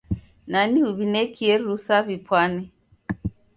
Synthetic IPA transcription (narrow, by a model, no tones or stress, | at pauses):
naniuβinɛkʰiɛɾusaβipwanɛ